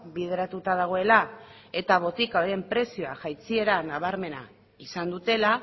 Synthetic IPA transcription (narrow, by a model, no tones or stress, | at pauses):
biðe̞ɾat̪ut̪að̞aɣ̞o̞e̞la | e̞t̪aβo̞t̪ikaɾee̞mpɾe̞sioaʝajt͡sie̞ɾanaβ̞aɾme̞na̰ | isand̪ut̪e̞la